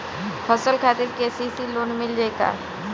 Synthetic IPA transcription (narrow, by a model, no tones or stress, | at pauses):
pʰəsəlkʰaːt̪ɪɾkeːsisiloːnmɪld͡ʒeːka̰ː